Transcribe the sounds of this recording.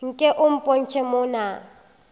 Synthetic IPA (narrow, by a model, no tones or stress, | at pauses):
ŋ̩kʼɛʔʊm̩pʼon̩t͡ʃʰɛmʊːna